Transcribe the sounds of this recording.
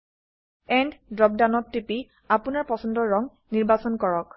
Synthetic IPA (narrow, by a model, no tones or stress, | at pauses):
ɛnddɹɔp̚danɔtːipi | apunaɹpɔsɔndɔɹɔŋ | niɹbasɔnkɔɹɔk